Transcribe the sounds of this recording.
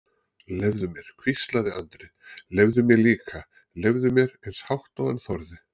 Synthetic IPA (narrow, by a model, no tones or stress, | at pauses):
lɛvðʏmjɛɾ̥kʰvist̪laðɪant̪ɾɪ | lɛvðʏmjɛɾliːkʰa | lɛvðʏmjɛɾejnshawht̪ɔɣɛnθɔɾðɪ